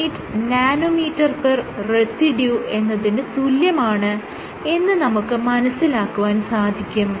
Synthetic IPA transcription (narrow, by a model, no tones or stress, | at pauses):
itː | naːnomiːtːɐrperresiɖjuʔe̞nːɐðindet̪uljɐmaːɳɨ | e̞nːɨnɐmukːɨmɐnɐsːilaːkːuʋaːnsaːd̪ʱikʲːum